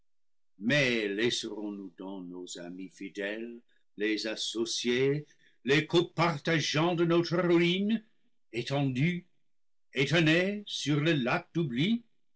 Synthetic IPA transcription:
mɛlesəʁɔ̃nudɑ̃noza̰mifidɛl | lezasosje | lekopaʁt̪aʒɑ̃dənotʁəʁuin | etɑ̃dy | etɛnesyʁləlak̚d̥ubli

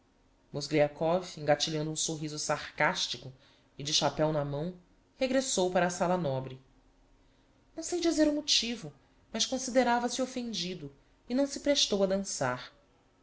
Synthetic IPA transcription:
mozɡɾiakɔvẽŋɡat͡ʃiʎɐ̃nd̪ũsoɦizʊsaχkaʃt͡ʃikʊ | ɪd͡ʒɪʃapɛwnɐmɐ̃w̃ | heɡɾesowpaɾɐːsalɐnɔbɾɪ | nɐ̃w̃sejd͡ʒizeɾumut͡ʃivʊ | mɐskõsid̪eɾavɐsiofẽnd͡ʒid̪ʊ | ɪnɐ̃w̃sɪpɾeʃt̪owɐd̪ɐ̃saɾ

